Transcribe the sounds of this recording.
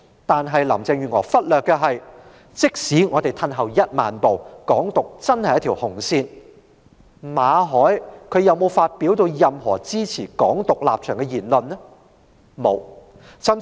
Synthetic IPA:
t̪aː˨nɦɐ˨jlɐ˨˩mt͡sɛː˨˧ŋjyː˨˩ŋɔː˨˩fɐ˥t̚lœː˨kːɛː˧ɦɐ˨j | t͡sɪ˥k̚siː˨˥ŋɔː˨˧t̪e˨˩jt̪ʰɐ˧nɦɐ˨˩wjɐ˥t̚maː˨npo˨wkɔː˨˥ŋt̪ʊ˨k̚t͡sɐ˥nhɐ˨jɐ˥t̪ʰi˨˩whʊ˨˩ŋsiː˧n | maː˨˧˥ɦɔː˨˥jkʰɵ˨˧ɥjɐ˨wmo˨˧wfaː˧t̚piː˨˥wt̪o˧wjɐ˨mɦɔ̰ː˨˩t͡siː˥t͡sʰiː˨˩kɔː˨˥ŋt̪ʊ˨k̚la̰ː˨p̚t͡ʃʰœː˨˩ŋkɛ˧jiː˨˩nlɵ˨nːɛ˥ | mo˨˧w | t͡sʰɐ˥n

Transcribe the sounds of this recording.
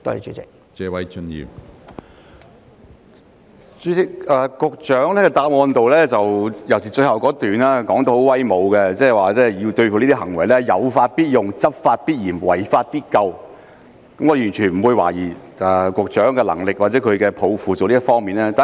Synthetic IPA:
t̪ɔ̰˥˧˨t͡ʃy̰˨˧t͡sɪ̰˨k̚ | t͡sɛː˨˧wɐ˨˦jt͡ʃɵ˥njḭː˨˩w | t͡ʃyː˨˥t͡sɪ˨k̚ɛː˨˧kʊ˧k̚t͡ʃœː˨˥ŋlɛː˥kɛ˧t̪aː˧p̚ŋɔː˧nt̪o˨wlɛː˥t͡sɐ˨wjɐ˨˩wsiː˨˩t͡ʃɵ˧ɥhɐ˨˩wkɔː˨˥t̪yː˨naː˥kɔː˨˥ŋt̪o˧who˨˧˥wɐ˥jmo˨˧wkɛ˧t͡sɛː˥˨waː˨t͡sɛː˥ji˧wt̪ɵ˧ɥfuː˨liː˥t̪iː˥ɦɐ˨˩ŋwɐ˨˩jlɛː˥jɐ˨˧wfaː˧t̚piː˥t̚jʊ˨ŋt͡sɐ˥p̚faː˧t̚piː˥t̚jiː˨˩mwɐ˨˩jfaː˧t̚piː˥t̚kɐ˧w | kɐ˦˥m˥ɔ˧˩y˨˩nt͡ʃʰyː˨˩nm̩˨˩wuː˧jwa̰ː˨˩jiː˨˩ | ʔɛ˨kʷʊ˧k̚t͡ʃœː˨˥ŋkɛː˧lɐ̰˨˩ŋlɪ˨k̚wa˨t̚t͡sɛː˨˥kʰɵ˨˧ɥkɛː˧pʰo˨˧wfuː˨˩t͡so˨wliː˥ɐ˥tfɔː˥ŋmiː˨nlɛː˥t̪aː˨

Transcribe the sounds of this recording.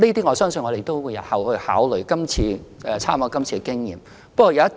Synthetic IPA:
niː˥t̪iː˥ŋɔː˨˧sœː˥ŋsɵ˧nŋɔ˨˧ɾe˨˩jt̪o˥wwuː˨˧jɐ˨˧hɐ˨˩whɵ˧ɥhaː˨˥wlɵ˨˩ɥkɐ˥mt͡sʰiː˧ɛː˨t͡sʰaː˥maː˨˧˩kɐ˥mt͡sʰiː˧kɛ˧kɪ˥ŋjḭː˨˩m | pɐ˥kɔː˨˧jɐ˨˧wjɐ˥t

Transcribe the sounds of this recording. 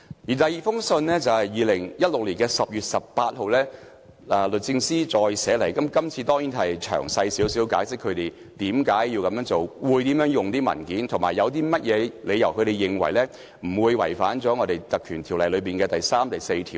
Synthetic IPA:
jiː˨˩t̪ɐ˨˩jiː˨fʊ˥ŋsɵ˧nlɛː˥t͡sɐ˨whɐ˨jjiː˨˧lɪ˨˩ŋjɐ˥t̚lʊ˨k̚liː˨˩nkɛː˧sɐ˨p̚jyː˨t̚sɐ˨p̚paː˧t̚ho˨wlɛː˥ | a˨lɵ˨t̚t͡sɪ˧ŋsiː˥t͡sɔː˧jsɛː˨˥lɐ˨˩jkɐ˨˥mkɐ˥mt͡sʰiː˧t̪ɔː˥ŋjiː˨˥nɦɐ˨jt͡ʃʰœ̰ː˨˩ŋsɐ˧jsiː˨˥wsiː˨˥wkaː˨˥jsɪ˥kʰːɵ˨˧t̪e˨j | t̪iː˨˥mkaː˨˥jːiː˧wkɐ˨˥mjœː˧˥ŋt͡so˨wwuː˨˧jt̪iː˨˥mjœː˨˥ŋjʊ˨ŋt̪iː˥mɐ̰˨˩nkiː˨˥nt̪ʰʊ˨˩maː˨˩jɐ˨˧wt̪̬iː˥mɐ˥t̚jʔɛː˨˧le˨˧jɐ˨˩wkʰɵ˧ɾe˨jɪ˨ŋwɐ̰˨˩jlɛː˥ | m̩˨˩wuː˨˧jwɐ̰˨˩jfaː˨˥nt͡sɔː˨˥ŋɔː˨˧d̪e˨˩jt̪ɐ˨˩kʰyː˨˩nt̪ʰiː˨˩wlɐ˨jlɵ˨˧ɥpiː˨nkɛː˧t̪ɐ˨jsaː˥mt̪ɐ˨jse˧jt̪ʰḭː˨˩w

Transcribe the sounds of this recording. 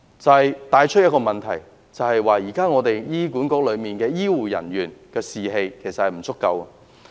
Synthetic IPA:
t͡sɐ˨whɐ˨jt̪aː˨˧jt͡ʃʰɵ˥t̚jɐ˥kɔː˧mɐ˨nt̪ʰɐ˨˩j | t͡sɐ˨whɐ˨jwaː˨jiː˨˩kaː˥ŋɔː˨˧t̪e˨jjiː˥kuː˨˥nkɔː˨˥k̚lɵ˨˧ɥmiː˨nkɛː˧jiː˥wuː˨˩jɐ̰˨˩njyː˨˩nkɛː˧siː˨ɦe˧jkʰe˨˩sɐ˨t̚hɐ˨˩m̩˨˩t͡sʰʊ˥kːɐ˧wɐ˨˧

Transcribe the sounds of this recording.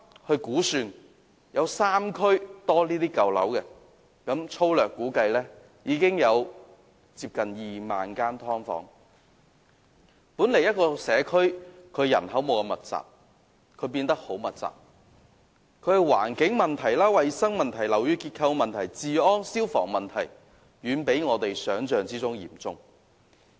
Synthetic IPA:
hɵ˧ɥkuː˨˥syː˧n | jɐ˨˧wsaː˥mkʰɵ˥ɥt̪ɔː˥liː˥t̪iː˥kɐ˨wlɐ̰˨˥wkɛ˧ | kɐ˨˥mt͡ʃʰo˥wlœː˨kːuː˨˥kɐ˧jlɛː˥ | jiː˨˧kɪ˥ŋjɐ˨˧w | t͡siː˧p̚kɐ˨njiː˨ma̰ː˨nkaː˥nt̪ʰɔː˥ŋfɔ̰ː˨˥ŋ | pu˨˥nle˨˩jɐ˥t̚kɔː˧sɛː˨˧kʰɵ˥ɥkʰɵ˨˧ɥjɐ̰˨˩nɦɐ˨˥wmo˨˧wkɐ˧mɐ˨t̚t͡sa̰ː˨k̚ | kʰɵ˨˧ɥpiː˧nt̪ɐ˥k̚ho˨˥wmɐ˨t̚t͡sa̰ː˨˩k̚ | kʰɵ˨˥hɐ˨˩jwa̰ː˨˩nkɪ˨˥ŋmɐ˨nt̪ʰɐ˨˩jlaː˥wɐ˨jsɐ˥ŋmɐ˨nt̪ʰɐ˨˩jlɐ˨˩wjyː˧kiː˧t̚kʰɐ˧wmɐ˨nt̪ʰɐ˨˩jt͡siː˨ɔː˥ŋsiː˥wfɔ̰ː˨˩ŋmɐ˨nt̪ʰɐ˨˩j | ɥyː˨˧npe˨˥jŋɔː˨˧t̪e˨jsœː˨˥ŋt͡sœː˨ŋt͡siː˥t͡sʊ˥ŋjḭː˨˩mt͡sʊ˧˥ŋ

